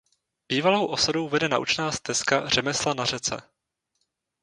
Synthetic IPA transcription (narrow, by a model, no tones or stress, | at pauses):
b̥iːvalowʔo̞sadowvɛdɛna̰ʔṵt͡ʃnaːst̪ɛskar̝̥ɛmɛslanarɛt͡sɛ̰